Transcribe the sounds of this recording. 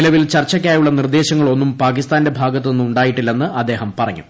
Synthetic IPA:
lɐʋilt͡ɕɐrt͡ɕːɐk̬ʲːaːjuɭːɐnird̪e̞ːɕɐŋːɐɭo̞nːumpaːk̬ist̪aːnde̞bʱaːɡɐt̪ːɨnnːumuɳɖaːjiʈːilːenːɨʔɐd̪ːe̞ːɦɐmpɐrɐŋːṵ

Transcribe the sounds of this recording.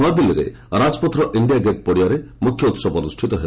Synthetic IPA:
ad̪iliɾḛ | ɾad͡ʒɔpɔt̪ɾɔʔiɳɖijaɡeʈ̚pɔɽiaɾemukʰjɔut̪sɔbɔnusʈʰit̪ɔɦe

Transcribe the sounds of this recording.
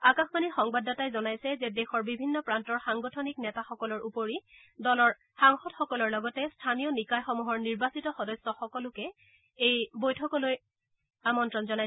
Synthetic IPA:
akaxmanixɔŋbadatajzɔnajsɛzɛdɛxɔɹbibʱinːɔpɹantɔɹxaŋɡɔtʰɔniknɛtaxɔkɔlɔɹupoɹi | dɔlɔɹ | xaŋxɔtxɔkɔlɔɹlɔɡɔtɛstʰanijɔnikajxɔmuɦɔɹniɹbasitɔxɔdɔsːɔxɔkɔlʊkɛ | ejbojtʰɔkɔloj | amɔntɹɔnzɔnaj

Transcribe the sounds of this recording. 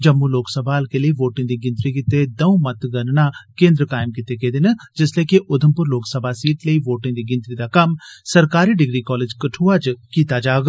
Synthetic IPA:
d͡ʒɐmːuloːksəbʱaːlkeleiʋoːʈɪ̃ŋd̪iɡɪ̃nt̪ɾikɪt̪ed̪ɐũmɐt̪ɡɐɾnakẽːnd̪ɾəkaːɪmkɪt̪ekeːd̪ɪnəd͡ʒɪsleːkiʔʊd̪ʱəmpʊɾloːksəbʱasiːʈleiʋoːʈɪ̃d̪iɡɪ̃nt̪ɾid̪akɐmsɐɾkaːɾiɖɪɡɾikɔːleːd͡ʒkɐʈʰuːat͡ʃkiːt̪ad͡ʒaːɡ

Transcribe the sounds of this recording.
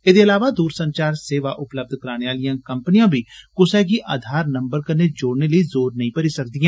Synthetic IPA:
eːd̪eːəlaːʋaːd̪uːɾsəɲt͡ʃaːɾseːʋaːʔʊpləb̚d̪ʱkəɾaːneːaːlijãːkəmpnijãːbʱiːkʊsɛːɡiːʔaːd̪ʱaːɾnəmbəɾkəɾneːd͡ʒoːɽneːləiːzoːɾnəɦĩːpəɾiːsək̚d̪ijãː

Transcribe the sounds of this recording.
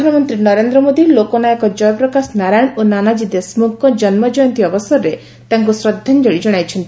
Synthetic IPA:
anɔmɔnt̪ɾinɔɾend̪ɾɔmod̪ilokɔnajɔkɔd͡ʒɔjɔpɾɔkasnaɾajɳ̃onanad͡ʒid̪esmukːɔd͡ʒɔnmɔd͡ʒɔjɔnt̪iɔbɔsɔɾɔɾe | t̪aŋkusɾɔd̪ʱːand͡ʒɔɭid͡ʒɔɽ̃ajt͡ʃʰɔnt̪i

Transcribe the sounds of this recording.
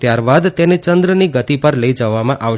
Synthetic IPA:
t̪jaɾbad̪t̪enet͡ʃənd̪ɾəniɡət̪ipəɾləid͡ʒəʋamãʔaʋ

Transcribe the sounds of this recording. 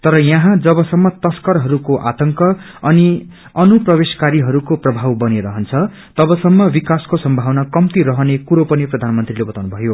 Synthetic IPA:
t̪ʌɾʌjãɦãd͡zʌbʌsʌmːʌt̪ʌskʌɾɦʌɾukoʔa̰t̪ʌŋkʌ | ʌni | ʌnuprʌbeskaɾiɦʌɾukoprʌbʱawbʌneɾʌɦʌnt͡sʰʌ | t̪ʌbʌsʌmːʌbikaskosʌmbʱawnakʌmt̪iɾʌɦʌnekuɾopʌniprʌd̪ʱanmʌnt̪rilebʌt̪awnubʱʌjo

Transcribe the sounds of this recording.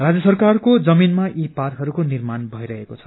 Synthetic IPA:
rad͡zjʌsʌrkarkod͡zʌminmaʔiparkɦʌɾukonirmanbʱʌjɾʌɦekot͡sʰʌ̥

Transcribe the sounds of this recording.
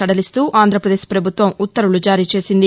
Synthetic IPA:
ɐɽɐlist̪uːʔaːnd̪ʱɾɐpɾɐd̪eːʃpɾɐbʱut̪ʋɐmut̪ːɐɾulud͡ʒaːɾiːt͡ʃe̞ːsind̪i

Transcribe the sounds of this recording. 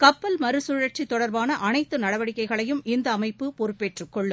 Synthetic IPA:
kɐpːɐlmɐɾɯsʊɻɐʈ̚t͡ʃit̪ːɔɽɐɾbaːnɐʔɐnɐɪt̪ːɯnɐɽɐʋɐɽɪkːɐɪɣɐɭɐjɯmʔɪnd̪ɐːmɐɪpːɯpɔɾɯpːeʈrɯkːɔɭːɯ

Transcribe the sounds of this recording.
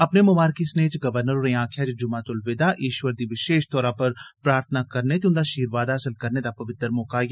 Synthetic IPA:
ɐpnemʊmaːɾkisneːt͡ʃɡɐʋəɾnəɾoːnẽãːkʰjat͡ʃd͡ʒʊmaːt̪ʊlʋɪd̪aʔiːʃʋəɾd̪iʋɪʃeːʃt̪ɔːɾapɐɾpɾaːɾt̪ʰənakɐɾnet̪eʊ̃nd̪aʃiːɾʋaːd̪aɐsəlkɐɾned̪apɐʋɪt̪ːəɾmɔːkaj

